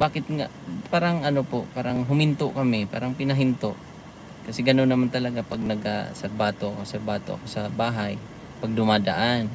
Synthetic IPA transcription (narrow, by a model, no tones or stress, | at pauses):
baːkɪt̪̚ŋa̰ʔpaːɾaŋʔɐnopoʔpaːɾaŋɦʊmɪnt̪oʔkɐmɪpa̰ːɾaŋpɪnɐɦɪnt̪oʔ | kɐsɛɡɐnonːɐmant̪ɐlɐɡapaɡ̚nɐɡa̰sɐbaːt̪oʔɐkosɐbaːt̪oʔɐ̰kosɐbaːɦaj | paɡ̚d̪ʊmad̪aʔan